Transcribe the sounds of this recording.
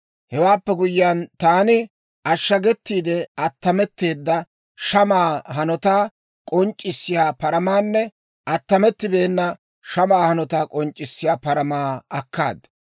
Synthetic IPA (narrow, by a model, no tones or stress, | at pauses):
hɛwaːpːɛɡʊjɪjant̪aːnɪ | ɐʃːɐɡɛt̪ːiːd̪ɛɐt̪ːɐmɛt̪ːeːd̪ːɐ | ʃɐmaːɦɐnɔt̪aː | kʼɔnt͡ʃʼːɪsːɪjaːpɐɾɐmaːnːɛ | ɐt̪ːɐmɛt̪ːɪbeːnːɐ | ʃɐmaːhɐnɔt̪aːkʼɔnt͡ʃʼːɪsːɪjaːpɐɾɐmaːɐkːa̰ːd̪ɐ